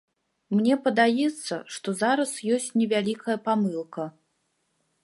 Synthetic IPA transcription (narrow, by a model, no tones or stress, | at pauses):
mnʲɛpɐd̪ajɛt̪sːɐ̰ʂt̪ɔzaɾɐsjɔsʲt͡sʲnʲɛvʲalʲikɐjɐpamɨlˠkɐ